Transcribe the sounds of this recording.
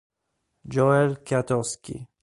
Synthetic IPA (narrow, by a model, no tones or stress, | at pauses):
d͡ʒɔɛlkjat̪ɔskʲḭ